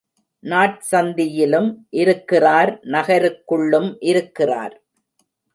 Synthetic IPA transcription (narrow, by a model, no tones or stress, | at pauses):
naːʈ̚sɐnd̪ɪjɪlɯmʔɪɾɯkːɪraːɾnɐɣɐɾɯkːɯɭːɯmʔɪɾɯkːɪra̰ːɾ